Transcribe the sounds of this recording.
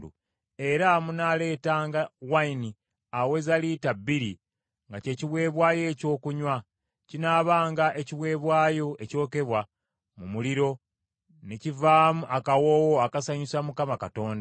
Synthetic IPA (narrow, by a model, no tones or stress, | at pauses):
ṵ | e̞ɾamunale̞ːtaːŋɡawaini | awe̞zalitabiɾi | ŋɡace̞ːciβwe̞ːβwaːje̞ːco̞ːkuɲwa | cinaːβaːŋɡaʔe̞ciβwe̞ːβwaːjo̞e̞co̞ːke̞βwa | mumuliɾo̞ | necivaːmuʔakawoːwoakasaɲisamukamakato̞ːnda